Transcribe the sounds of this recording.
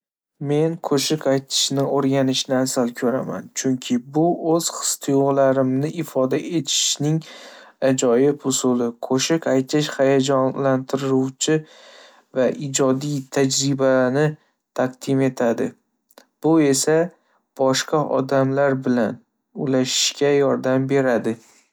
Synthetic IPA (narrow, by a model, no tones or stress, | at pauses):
me̞nkʰɵʃɪkajt̪ʰɪ̥ʃnɪoɾɡʲanɪʃnɪasalkʲʰɵɾama̰nt͡ʃʰʊŋkʲʰɪbʊɵz̥χɨ̥st̪ʰɪjlaɾɪmnɪʔɪfɒd̪aʔe̞t̪ʰɪ̥ʃnɪŋ | ad͡ʒɒjɪpʊsʊlɪkʰɵʃɪkʲajt̪ʰɪʃhajad͡ʒɒnlant̪ʰɪɾɪɾuwt͡ʃʰɪ | vaʔɪd͡ʒɒd̪ijt̪ʰad͡ʒɾɪbanɪ | t̪ʰaq̚d̪̥ɪme̞t̪ʰad̪ɪ | b̥ʊe̞sa | b̥ɒʃqɑʔɒ̰d̪amlaɾbɪlan | ʊlaʃɪ̥ʃkʲajɒɾd̪ambe̞ɾad̪ɪ